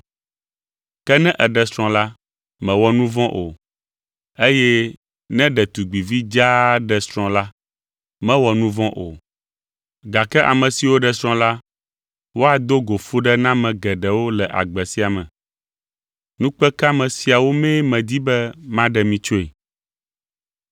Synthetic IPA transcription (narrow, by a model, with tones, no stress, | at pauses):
kɛ˦nɛ̃˦ʔɛ˨ɖɛ˨sɾ̃ɔ̃˨la˦ | mɛ̃˨wɔ˨nũ˦vɔ̃˦ʔo˨ | e˦jɛ˦ | nɛ̃˦ɖɛ˨t̪u˨ɡ͡bi˨vi˦d͡ʒa˦ɖɛ˨sɾ̃ɔ̃˨la˦ | mɛ̃˦wɔ˨nũ˦vɔ̃˦ʔo̰˨ | ɡa˨kɛ˦ʔa̰˨mɛ̃˨si˨wo˦ɖɛ˨sɾ̃ɔ̃˦la˦ | wo˦a˨d̪o˦ɡo˨fu˦ɖɛ˦nã˦mɛ̃˨ɡɛ˨ɖɛ˨wo˦lɛ˨ʔa̰˨ɡ͡bɛ˨si˦a˨mɛ̰̃˨ | nũ˦k͡pɛ˦ka˦mɛ̃˨si˨a˨wo˦mɛ̃˦mɛ̃˨d̪i˦bɛ˦mã˦ɖɛ˨mĩ˨t͡ʃo˦e˨